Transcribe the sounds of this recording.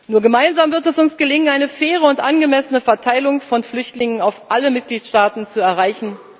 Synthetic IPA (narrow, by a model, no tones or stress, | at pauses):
nuːɐɡəmaɪnzaːmvɪɐtɛsʊnsɡ̥əlɪŋənʔaɪnəfɛːʁ̞əʊntʔanɡəmɛsənəfɛɐtʰaɪlʊŋfɔnflʏçtlɪŋənaʊfʔaləmɪt̚ɡ̥liːtʃtaːtn̩t͡suɛɐʁ̞aɪçn̩